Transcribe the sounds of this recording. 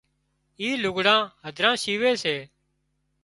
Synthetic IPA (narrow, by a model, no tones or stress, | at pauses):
iːlʊɡɽãːɦəd̪ʱɾãːʃiːʋeːseː